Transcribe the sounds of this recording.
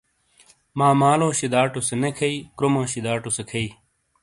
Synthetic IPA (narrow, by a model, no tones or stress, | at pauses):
maːmaːlõːɕid̪aːʈosenekʰɐiːkɾomõːɕid̪aːʈusekʰɐiː